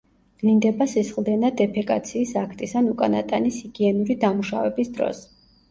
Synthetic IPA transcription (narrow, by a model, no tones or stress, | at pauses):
ɡ̥lind̪ɛbasisχlˠd̪ɛnad̪ɛpʰɛkʼat̪sʰiːsakʰt̪ʼisanukʼana̰t̪ʼanisiɡiɛnuɾid̪amuʃavɛbisd̪ɾɔ̰s